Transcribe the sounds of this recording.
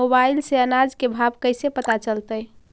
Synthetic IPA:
obailseənad͡ʒkebʱabkəɪsepət̪at͡ʃəlt̪əj

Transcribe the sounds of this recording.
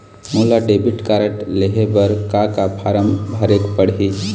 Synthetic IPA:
mulaɖebiʈkaɾəʈleɦebəɾkakapʰaɾəmbʱəɾekpəɽɦi

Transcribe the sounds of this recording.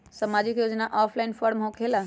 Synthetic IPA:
sɐmaːd͡ʑikjoːd͡ʑənaʔaːflaɪnfɔːɾmɦokʰela

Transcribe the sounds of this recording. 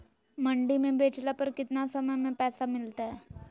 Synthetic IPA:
məɳɖimẽbet͡ʃlapəɾkɪt̪nasəməjmẽpɛːsamɪlt̪aɛ

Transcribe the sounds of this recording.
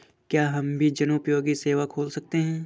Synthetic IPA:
kjaːɦɐmbʱid͡ʒɐnupjoːɡiseːʋakʰoːlsɐk̚t̪eɦɛ̃ː

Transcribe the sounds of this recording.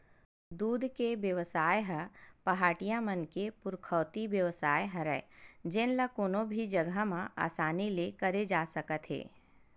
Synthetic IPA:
d̪uːd̪ʱkebjəʋəsaːjɦəpɐɦaːʈijãmənkepʊɾkʰəːt̪ibjəʋəsaːjɦɐɾəed͡ʒenlakoːnõbʱid͡ʒɐɡʱəmãa̰ːsaːnilekɐɾed͡ʒaːsɐkət̪ɦḛː

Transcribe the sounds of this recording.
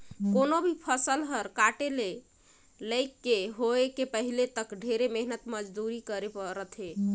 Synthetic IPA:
konobʱipʰəsəlɦəɾkaʈele | ləɪkːeɦoekepəɦilet̪əkɖʱeɾemeɦnət̪məd͡ʒd̪uɾikəɾepəɾət̪ʰɦe

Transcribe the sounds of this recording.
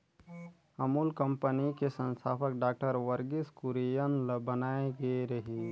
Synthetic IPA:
əmulkə̃mpənikesə̃nsʰaːpʰək̚ɖaːk̚ʈəɾʋəɾɡiskuɾijənləbənaeɡeɾəɦi

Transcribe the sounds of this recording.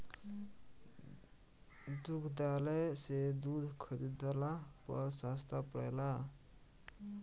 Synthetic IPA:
d̪ukʰd̪alɛsed̪ud̪ʱkʰəɾid̪əlapəɾsast̪apəɽɛ̰la

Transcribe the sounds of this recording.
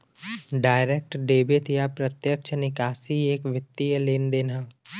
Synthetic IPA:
ɖaːɪɾeːk̚ʈɖeːbɪt̪japɾət̪jəkt͡ʃʰənɪkaːsieːkʋɪt̪ːijəleːnd̪eːnaː

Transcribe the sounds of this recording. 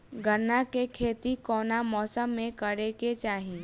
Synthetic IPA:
ɡʱənːakekʰeːt̪ikɔːnamɔːsəmːẽkəɾeket͡ʃaːɦĩ

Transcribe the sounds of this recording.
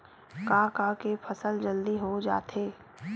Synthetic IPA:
kaːkaːkefʰɐsəld͡ʒəld̪iɦod͡ʒa̰ːt̪eː

